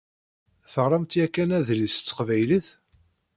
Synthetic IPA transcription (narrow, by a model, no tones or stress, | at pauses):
θəʁɾˤɑmt̪jækːænæðlist͡sːə̥qvæjliθ